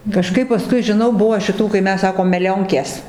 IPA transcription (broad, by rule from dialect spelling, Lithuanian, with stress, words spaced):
kɐˈʃkɐɪp pɐˈskʊɪ ʒʲɪˈnɐʊ ˈbʊʋoː ʃʲɪˈtuː kɐɪ ˈmʲɛs ˈsɑːkoːm mʲɛˈlʲoːŋʲkʲeːs